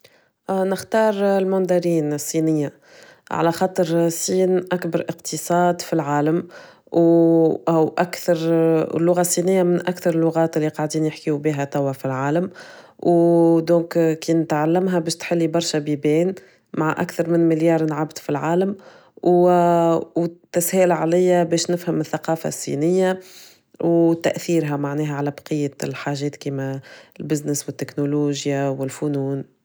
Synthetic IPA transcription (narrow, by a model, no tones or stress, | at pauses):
nɪxt̪ɑːɾˤɪlmʊnd̪ɑɾiːnɪsˤːiːnɪjːa | ʕa̰læxɑːt̪ˤəɾsˤːiːnʔakbɑɾˤʔɪqt̪ʰəsˤɑːd̪filʕaːləm | wʔwʔækθɑɾ̰ˤlːʊɣasˤːinɪjːamɪnʔækθɑɾˤɪlːʊɣaːt̪ɪlːiqɑʕd̪iːnjɪħkijubiːɦæt̪ˤawʕafilʕaːləm | wd̪ɔ̃ːkkiːnɪt̪ʕalːamɦæbɛːʃt̪ħɪlːibɑɾˤʃabibɛːn | maʕaʔa̰kθɑɾˤmɪnmɪljɑːɾˤnʕabd̪filʕaːləm | w | wt̪ːæshɛːlʕalɪjːabɛːʃnɪfhəmɪθːaqɑːfa̰sːḭːnɪjːa | wt̪ːæʔθiːɾɦæmaʕnɛːɦæʕalɛbɑ̥qəjːalħaːʒɛːt̪kiːmælbɪznəswɪt̪ːɪknoluːʒjawɪlfunuːn